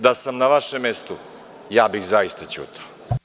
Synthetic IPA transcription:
d̪asamnaʋaʃemːest̪u | jaːbixzajist̪at͡ɕṵːt̪ʰḁo

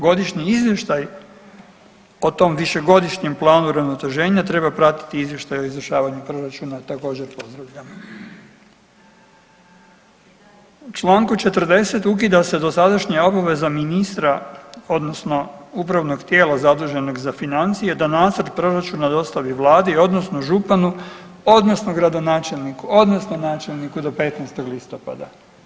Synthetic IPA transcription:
ɡo̞d̪iʃɲiizʋje̞ʃt̪aj | o̞t̪o̞mʋiʃe̞ɡo̞d̪iʃɲe̞mplˠaːnuɾaʋno̞t̪e̞ʒe̞ːɲat̪ɾe̞bapɾat̪i̥t̪iizjeʃt̪ajo̞izvɾrʃaːʋaɲupɾo̞ɾat͡ʃunat̪ako̞ːd͡ʑe̞ɾpo̞zd̪ɾaʋʎamo | ut͡ʃlˠaːŋkut͡ʃe̞t̪r̩d̪e̞se̞t̪uk̬id̪ase̞d̪o̞sad̪aʃɲao̞baʋe̞zaminist̪ɾao̞d̪no̞sno̞upɾaʋno̞ɡt̪je̞ːlˠazad̪uːʒe̞no̞ɡzafinant̪sije̞d̪anaːt̪zɾd̪pɾo̞ɾat͡ʃunad̪o̞st̪aʋiʋlˠaːd̪io̞d̪no̞snoʒupanu | o̞d̪nosnoɡɾad̪o̞naːt͡ʃe̞lnikuo̞d̪no̞sno̞naːt͡ʃelˠnikud̪o̞pe̞t̪naːst̪o̞ɡlist̪o̞pa̰d̪a

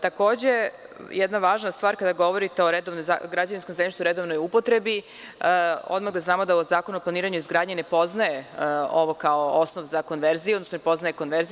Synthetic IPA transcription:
t̪ako̞ːd͡ʑe̞jʔɛd̪naʋaːʒnast̪ʋaːɾkad̪aɡo̞ʋo̞ɾit̪e̞o̞ɾed̪oʋnojza̰ɡɾad͡ʑaʋinskomzeniʃt̪uɾed̪oʋno̞jupo̞t̪ɾe̞bi | o̰d̪maɣd̪aznaːmo̞d̪aozaːkonuoplaniːɾaɲuizɡɾaːd̪ɲene̞po̞znaje̞oʋo̞kao̞osnoʋzako̞nʋeɾzijuod̪nosnonepo̞znajeko̞nʋeɾzi

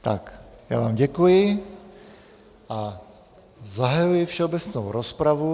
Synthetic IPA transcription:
t̪akja̰ːva̰ːmɟɛkujɪ | ʔa | zaɦajujɪfʃɛobɛt͡snowɾospɾavu

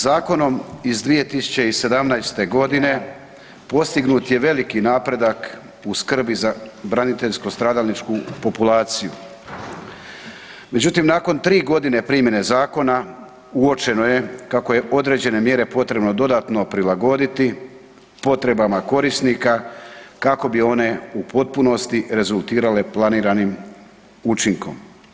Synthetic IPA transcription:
zaːko̞no̞mizd̪ʋije̞t̪isu̥t͡ɕe̞ise̞d̪amnajst̪e̞ɡo̞d̪ine̞ | po̞st̪iɡnuːt̪je̞ʋe̞likinaːpɾe̞d̪ak | uskr̩bizabɾanit̪e̞ʎsko̞st̪ɾaːd̪alnit͡ʃkupo̞pulaːt̪sijṵ | me̞d͡ʑut̪imnaːko̞nt̪ɾiːɡo̞d̪ine̞pɾiːmje̞ne̞zaːko̞na | uo̞t͡ʃe̞no̞je̞kako̞je̞ʔo̞d̪ɾe̞ːd͡ʑe̞ne̞mje̞ɾe̞po̞t̪ɾe̞bno̞d̪o̞d̪at̪no̞pɾilaɡo̞d̪it̪i | po̞t̪ɾe̞bamako̞ɾisnikakako̞bio̞ne̞upo̞t̪̚puno̞st̪iɾe̞zulˠt̪iːɾale̞plˠaniːɾanim | ut͡ʃiŋko̞̰m

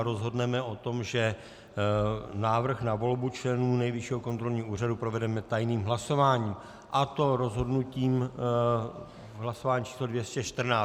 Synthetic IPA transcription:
ɾozɦo̞dnɛmɛʔo̞t̪o̞mʒɛ | naːvr̩xnavo̞lbut͡ʃlɛnuːnɛjvɪʃiɦoko̞nt̪ɾo̞lɲiːuːr̝adupɾo̞vɛdɛmɛt̪ajniːmɦlaso̞vaːɲiːm | ʔat̪o̞ɾo̞zɦo̞dnuciːm | ɦlasovaːɲit͡ʃiːslodvjɛscɛʃt̪r̩naː

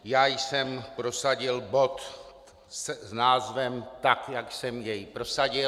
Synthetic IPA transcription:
jaːjsɛmpɾosaɟɪlbo̞t̪ | sznaːzvɛmt̪akjaksɛmjɛjpɾosaɟɪ

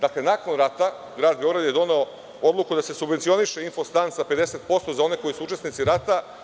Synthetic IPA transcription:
d̪akle̞nako̞nɾat̪a | ɡɾaːd̪̚beo̞ɡɾad̪je̞d̪o̞ne̞o̞ | o̞d̪lˠukud̪ase̞subʋent̪sio̞niʃeinfo̞st̪ansaped̪e̞set̪po̞st̪o̞zao̞ne̞ko̞jisuut͡ʃe̞snit̪siɾat̪a

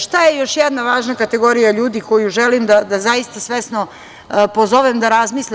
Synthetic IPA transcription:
ʃt̪ajejo̞ʃjɛd̪naʋaːʒnakat̪e̞ɡo̞ɾijaʎuːd̪iko̞juʒelimd̪ad̪azajist̪asʋesno | pozoʋemd̪aɾazmiːslʲ

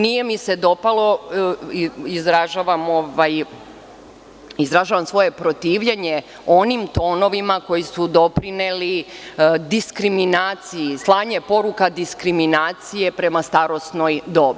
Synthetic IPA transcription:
nije̞mise̞d̪o̞palˠo̞iizɾaʒaʋamo̞ʋaj | izɾaʒaːʋamsʋo̞je̞pɾot̪iːʋʎeɲe̞ | o̞nimt̪o̞ːno̞ʋimako̞jisud̪o̞pɾineli | d̪iskɾiminaːt̪sijislˠaːɲepo̞ɾukad̪iskɾiminaːt̪sije̞pɾe̞mast̪aɾo̞sno̞jd̪o̞bi

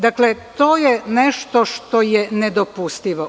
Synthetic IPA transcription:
d̪aklet̪oːjɛnɛʃt̪oʃt̪ojɛnɛd̪opust̪iʋo

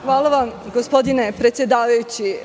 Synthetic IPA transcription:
xʋaːlˠaʋamɡospo̞d̪inepɾet̪sje̞d̪aːʋajut͡ɕi

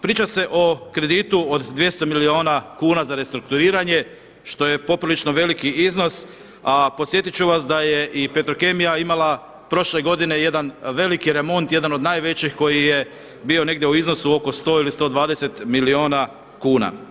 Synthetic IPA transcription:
pɾiːt͡ʃase̞ʔo̞kɾe̞d̪it̪uod̪d̪ʋje̞st̪o̞milio̞ːnakuːnazaɾe̞st̪ɾuk̚t̪uɾiːɾaɲe̞ | ʃt̪o̞je̞po̞pɾilit͡ʃno̞ʋe̞likiʔizno̞s | apo̞t̪sje̞t̪it͡ɕuʋasd̪aje̞ʔipet̪ɾoke̞mijaimala | pɾo̞ʃle̞ɡo̞d̪ine̞je̞d̪anʋe̞likiɾe̞mo̞nt̪je̞d̪ano̞d̪naːjʋe̞t͡ɕixko̞jije | biːo̞ne̞ɡd̪jeuiznosuo̞ko̞st̪o̞ːilist̪o̞ːd̪ʋaːd̪ese̞t̪milio̞ːna | kuːna̰

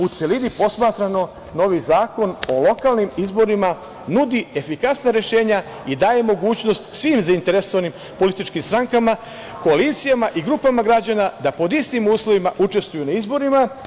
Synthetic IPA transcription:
ut̪selid̪ipo̞smat̪ɾano̞ | no̞ʋizaːko̞no̞lo̞kalnimizbo̞ɾima | nud̪ie̞fikasnaɾe̞ʃe̞ːɲa | id̪aːje̞mo̞ɡuːt͡ɕno̞st̪sʋiːmzaint̪e̞ɾeso̞ʋanim | po̞lit̪it͡ʃkimst̪ɾaŋkama | ko̞alit̪sijamaʔiɡɾuːpamaɡɾad͡ʑanad̪apo̞d̪ist̪imuːslˠoʋimaʔut͡ʃe̞st̪ʋujunaizbo̞ɾima

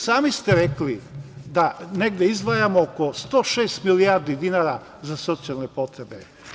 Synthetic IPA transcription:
saːmist̪eɾeklid̪aneɡd̪eizd̪ʋajamookost̪oʃeːst̪miliaɾd̪id̪inaɾa | zasot̪sijalˠnepot̪ɾebe

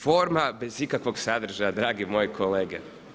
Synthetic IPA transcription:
foːɾmabezikakʋo̞ɡsad̪r̩ʒajad̪ɾaːɡimoːjkʰoleːɡe

